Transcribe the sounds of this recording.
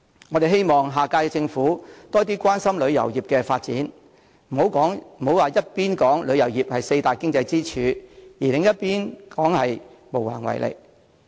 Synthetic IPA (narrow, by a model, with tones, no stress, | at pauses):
ŋɔː˨˧ɾe˨jɦe˥jmɔː˨˩ŋɦaː˨kaː˧kɛ˧t͡sɪ˧ŋfuː˨˥t̪ɔː˥t̪̬iː˥kʷwaː˥nsɐ˥mlɵ˨˧ɥjɐ̰˨˩wjiː˨˩p̚kɛː˧faː˧t̚t͡sḭː˨˥n | m̩˨˩ho˨˥wkɔː˨˥ŋm̩˨˩ho˨˥waː˨˩jɐ˥t̚piː˥nkɔː˨˥ŋlɵ˨˧ɥjɐ˨˩wjiː˨˩p̚hɐ˨jse˧jt̪aː˨jkɪ˥ŋt͡sɐ˧jt͡siː˥t͡ʃʰyː˨˧jiː˨˩lɪ˨˧ŋjɐ˥t̚piː˥nkɔː˨˥ŋhɐ˨jmo˨˩wla̰ː˨˩ŋwɐ̰˨˩jlʔḛ˨˩k̚